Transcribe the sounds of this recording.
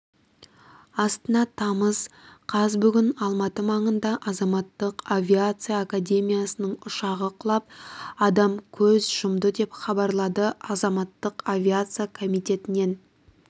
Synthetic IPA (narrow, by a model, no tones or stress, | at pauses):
ɑst̪ənɑt̪ʰɑməz̥qʰɑzbʏɡʲɪnɑlˠmɑt̪əmɑɴənd̪ɑʔɑzɑmɑt̪ːəqavʲiat̪sɨjaːkad̪ʲe̞mʲijasənəɴʊʃɑʁəqʰʊlˠɑp̚ɑd̪ɑmkʲʰɵzʒ̥ʊmd̪əd̪e̞pχɑbɑɾlˠɑd̪əɑzɑmɑt̪ːəqavʲiat̪sɨjakʰomijt̪e̞t̪ɪne̞n